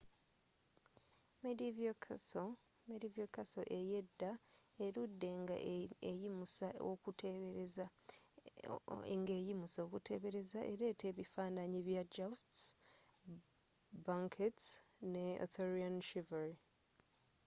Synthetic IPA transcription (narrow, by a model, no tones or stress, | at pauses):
medivo | medivjokaso̞ʔe̞je̞dːaeɾudːe̞ŋɡa̰ejimusaokuta | ḛŋɡeːjimusaokutʰe̞βe̞ɾe̞zaʔe̞ɾe̞ːtʰeːβifaːnaɲiβjad͡ʒasts | baŋkʰetsneo̰θoɾianʃivaɾi